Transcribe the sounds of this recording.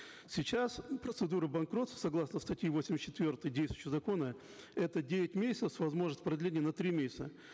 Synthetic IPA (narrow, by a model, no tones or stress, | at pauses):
sʲɪt͡ɕaspɾət̪sɨd̪uɾɨbɐnkɾo̞t̪ssɐɡlˠasnəst̪ɐtʲjivosʲɪmʲɪsʲt͡ɕːɪt̪vʲort̪ɨjdʲejst̪vjɕʲɪzɐko̞nə | ɛt̪ədʲevʲɪtʲmʲesʲɪ̥tsəsʲvɐzmo̞ʐnəsʲt̪ʲpɾɐd̪ʲlʲenʲɪjənɐt̪ɾʲimʲesʲɪsʲt̪ə